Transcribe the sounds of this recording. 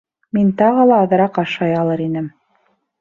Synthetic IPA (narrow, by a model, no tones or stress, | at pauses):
mint̪ɑʁɤlˠɑːðɤ̆ɾɑqɑʃɑjɑlˠɤɾinɘm